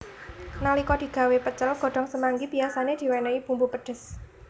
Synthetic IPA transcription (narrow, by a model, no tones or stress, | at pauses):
nalikɔd̪̥i̤ɡ̥a̤wepət͡ʃəlɡ̥o̤ɖ̥ɔ̤ŋsəmaŋɡibiasaned̪̥i̤wɛnəib̥umpupəɖ̥ə̤s